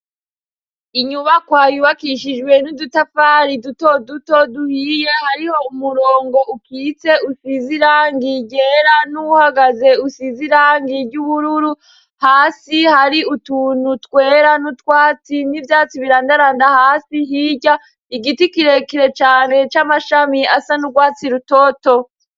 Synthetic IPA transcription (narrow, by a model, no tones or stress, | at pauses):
iɲuβakwaːjuβakiʃid͡ʒɡwe̞nudutafaɾidutoduto̞duhiːje̞haɾiho̞umuɾoːŋɡo̞ʔukiːt͡se̞usiziɾaːŋɡiɟe̞ɾanuhaɡaze̞usiziɾaːŋɡiɾɟuβuɾuɾu | haːsihaɾiutuːnutkwe̞ːɾanutwaːt͡sinivjaːt͡siβiɾaːndaɾaːndahaːsiɦiɟa | iɡitikiɾe̞kiɾe̞t͡ʃaːne̞t͡ʃamaʃamiasanuɡwaːt͡siɾuto̞ːto